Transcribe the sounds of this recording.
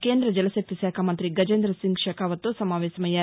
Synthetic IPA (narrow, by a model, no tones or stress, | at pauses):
keːnd̪ɾɐd͡ʒɐlɐsɐk̚t̪isaːkʰaːmɐnt̪ɾiɡɐd͡ʒeːnd̪ɾɐsiŋɡʃɐkʰaːʋɐt̪ːosɐmaːʋeːsɐmɐjɐ